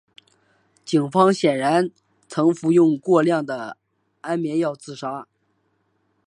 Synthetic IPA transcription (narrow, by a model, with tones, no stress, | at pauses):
t͡ɕi˨˩ŋfɑ˥ŋɕjɛ˨˩nɻa˧˥n | t͡sʰɤ˧˥ŋfu˧˥jʊ˥˧ŋkwɔ˥˧ljɑ˥˩ŋd̪ə˩ | a˥nmjɛ˧˥njɑ˥˧ʊt͡sɹ̩˥˩ʂa˥